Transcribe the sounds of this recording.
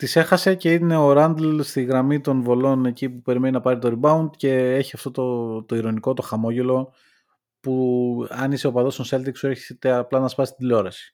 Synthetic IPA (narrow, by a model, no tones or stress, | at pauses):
t̪ise̞xɐse̞ce̞ine̞o̞ɾɐnd̪lst̪iɣɾɐmit̪o̞nvo̞lo̞ne̞cipupe̞ɾimeninɐpɐɾit̪o̞ɾibɐund̪ce̞e̞çiɐft̪o̞t̪ot̪o̞iɾo̞niko̞t̪o̞xɐmo̞ʝe̞lo̞ | puɐniseopɐðo̞st̪onse̞lt̪iksue̞ɾçiset̪eɐplɐnɐspɐsi̥t̪id̪ilo̞ɾɐsi̥